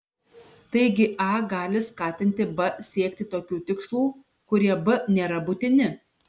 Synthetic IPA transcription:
t̪ɐɪɡʲɪʔɑːɡɑːlʲɪskɑːt̪ʲɪnʲt̪ʲɪbɐsʲiɛkʲt̪ʲɪt̪oːkʲuːt̪ʲɪkslˠuː | kʊɾʲiɛbɐnʲeːɾɐbʊt̪ʲɪnʲɪ

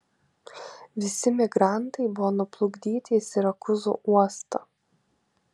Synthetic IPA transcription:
ʋʲɪsʲɪmʲɪɡɾɑˑnt̪ɐɪbʊʋɔnʊplˠʊɡd̪ʲiːt̪ʲɪsʲɪɾɐkʊzṵːuɔst̪ɐ̰

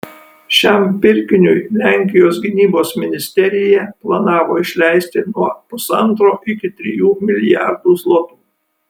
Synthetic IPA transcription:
ʃʲɛmpʲɪɾʲkʲɪnʲʊjlʲæŋʲkʲɪjoːsɡʲɪnʲiːboːsmʲɪnʲɪsʲt̪ʲɛɾʲɪjɛplˠɐnɑːʋoːɪʃʲlʲɛɪsʲt̪ʲɪnuɔpʊsɐnt̪ɾoːʔɪkʲɪt̪ʲɾʲɪjuːmʲɪlʲɪjæ̰ɾd̪uːslˠoɔt̪uː

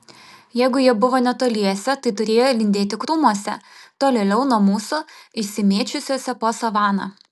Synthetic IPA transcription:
jæɪɡʊjiɛbʊʋoːnʲɛt̪oːlʲiɛsʲɛt̪ɐɪt̪ʊɾʲeːjolʲɪnʲd̪ʲeːt̪ʲɪkɾumuɔsʲɛ̰t̪oːlʲeːlʲɛʊnoɔmuːsʊɪʃʲsʲɪmʲeːt͡ʃʲʊsʲoːsʲɛpoːsɐʋɑːnɑ̰

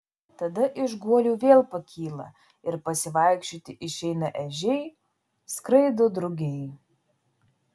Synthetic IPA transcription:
t̪ɐd̪ɐʔɪʒɡuɔlʲuːʋʲeːlˠpɐkʲʰiːlˠɐ̰ | ɪɾpɐsʲɪʋɐˑɪkʃʲt͡ʃʲoːt̪ʲɪʔɪʃʲɛɪnɐʔɛʒʲɛɪ | skɾɐɪd̪od̪ɾʊɡʲɛɪ

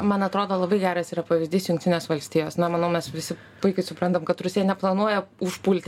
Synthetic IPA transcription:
mɐnɐt̪ɾoːd̪oːlˠɐbɐɪɡʲæːɾɐsiːɾɐpɐʋʲɪzʲd̪ʲiːsjʊŋkt̪ʲɪnʲeːsʋɐlʲsʲt̪ʲiːjoːsnɐmɐnɐʊmʲɛsʋʲɪsʲɪ | pʊɪkɐɪsʊpɾɐnt̪ɐmkɐt̪ɾʊsʲeːjɛnʲɛplˠɐnuɔjɛʊʃpulʲt̪ʲ

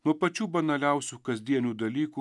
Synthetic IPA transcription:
nɔpɐt͡ʃubɐnɐlʲaːwsukɐzd̪iːɛnʲud̪ɐliːku

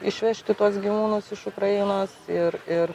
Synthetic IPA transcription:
ɪʃʲʋʲɛʃʲt̪ʲɪt̪uɔsɡʲiʋuːnʊsɪʃʊkɾɐɪnoːsɪɾɪɾ

